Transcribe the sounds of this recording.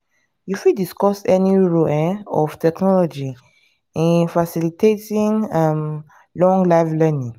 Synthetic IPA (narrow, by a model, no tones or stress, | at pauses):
jufidiskɔsɛnĩɹoʔɛ̃ɔftɛknɔlɔd͡ʒi | ĩfasilitetĩnam | lɔ̃ŋɡlaflɛnĩŋ